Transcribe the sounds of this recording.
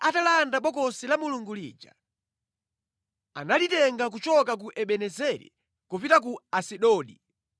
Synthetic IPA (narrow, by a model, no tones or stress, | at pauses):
atalandaɓɔkɔsilamuluŋɡulḭːd͡ʒa̰ | a̰nalitɛŋɡak̬ut͡ʃɔkak̬uʔɛɓɛnɛzɛɾḭ | kɔpitak̬uasiɗɔːɗḭ